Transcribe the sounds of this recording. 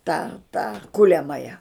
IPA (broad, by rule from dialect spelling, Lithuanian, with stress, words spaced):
tɑː tɑː ˈkʊlʲɛmɐjɛ